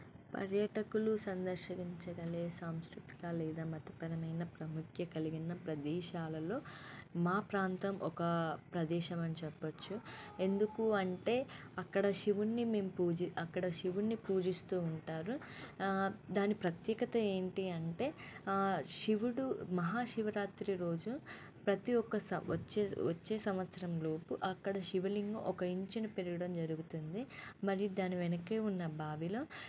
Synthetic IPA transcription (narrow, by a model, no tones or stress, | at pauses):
pɐ̰ɾjɐʈɐkulusɐnd̪ɐɾʃɐʋiɲt͡ʃɐɡɐleːsaːmskɾut̪i̥ɡaːlɛːd̪aːmɐt̪ɐ̥pɐɾɐmɐjnɐpɾɐmukʰjɐkɐliɡinɐpɾɐd̪ɛːʃaːlɐlo̞ːmaːpɾaːnt̪ɐmʔɔkɐpɾɐd̪ɛːʃɐmɐnit͡ʃɛpːɐt͡ʃːue̞nd̪ukuɐɳʈe̞ː | ɐkːɐɽɐʃiʋunːime̞ːmupuːd͡ʒiɐkːɐɽɐʃiʋunːipuːd͡ʒist̪uːɳʈaːɾu | d̪aːnipɾɐt̪jɛːɡɐt̪ɐe̞ːɳʈiɐɳʈe̞ː | ʂiʋuɽumɐɦaːʂiʋɐɾaːt̪ɾiɾo̞ːd͡ʒu | pɾɐt̪iɔkːɐsɐ̰t͡ʃːeɐt͡ʃːe̞ːsɐmʋɐt̪sɐɾɐmlo̞ːpuʔɐkːɐɽɐʃiʋɐliŋɡʔɔkɐiɲt͡ʃinɐpeɾuɡɐɽɐmd͡ʒɐɾuɡut̪und̪imɐɾijud̪aːniʋɛnɐkːeːunːɐbʱaːʋilo̞ː